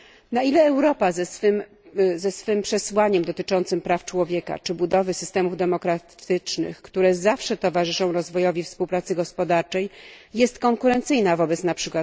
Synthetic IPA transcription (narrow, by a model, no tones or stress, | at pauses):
nailɛːwɾɔpazɛsfɘm | zɛsfɘmpʂɛswaɲɛmd̪ɔt̪ɘt͡ʂɔnt̪sɘmpɾaft͡ʂwɔvʲjɛka̰t͡ʂɘbud̪ɔvɘsɘ̥st̪ɛmuvd̪ɛmɔkɾat̪ʰɘt͡ʂnɘ̰xkt̪uɾɛzafʂɛt̪ɔvaʐɘʂɔ̃w̃ɾɔzvɔjɔvʲifspuwpɾat̪sɘɡɔspɔd̪aɾt͡ʂɛjjɛst̪kɔŋkuɾɛnt̪sɘjnavɔbɛt̪snapʂɘkwat̪